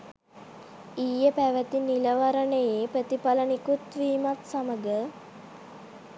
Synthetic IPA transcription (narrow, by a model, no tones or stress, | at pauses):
iːjəpæʋət̪iniləʋaɾənəjepɾət̪ipalənikut̪ʋiːmat̪saməɡə